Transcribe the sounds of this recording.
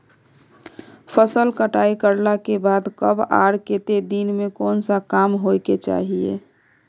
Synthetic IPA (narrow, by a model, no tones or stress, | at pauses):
pʰəsəlkəʈaikəɾlakebad̪kəba̰ɾket̪ed̪inmekoːnsakamɦojket͡ʃa̰ɦiḛ